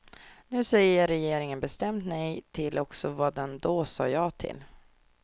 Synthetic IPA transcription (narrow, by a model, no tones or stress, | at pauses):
nʉ̟ːsɛjːəɾɛjeːɾɪŋənbɛst̪ɛmt̪nɛjt̪ʰɪlʔɔksɔvɑːd̪ɛnd̪osɑ̰ːjɑːt̪ʰɪ̰l